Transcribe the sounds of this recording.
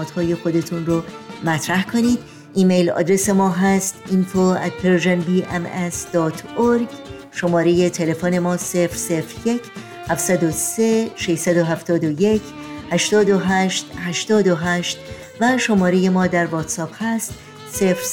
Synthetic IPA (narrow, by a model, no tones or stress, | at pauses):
ɔːt̪hɒːje̞xo̞d̪e̞t̪ʰunromæt̪ʰɾæhkʰoniːd̪̥ | iːmejlɒ̰ːd̪ɾe̞se̞mɒːɦæst̪int̪ʰoæ̰t̪̚pʰeɾoʒenbiːʔemesd̪̥ɒːt̪ʰoɾɡ | ʃo̞mɒːɾe̞je̞t̪ʰe̞le̞fone̞mɒːsefɾse̞fɾje̞cʰ | hæfsæd̪ose̞ʃeʃsæd̪o̞ɦæft̪ɒːd̪oje̞cʰhæʃt̪ɒːd̪o̞ɦæːʃt̪hæʃt̪ɒːd̪oɦæʃt̪ | væʃo̞mɒːɾe̞je̞mɒːd̪æɾvɒːt̪sɒːb̥hæst̪ | sefɾ